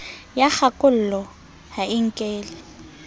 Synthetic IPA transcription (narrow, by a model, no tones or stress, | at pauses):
jaχakʼʊl̩lɔ | haɪŋ̩kʼeːlɪ